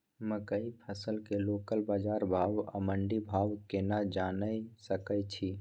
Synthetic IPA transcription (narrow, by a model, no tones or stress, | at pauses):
məkəipʰəsəlkelokəlbad͡ʒaɾbʱabə̰məɳɖibʱabkenad͡ʒanəjsəkət͡ʃʰi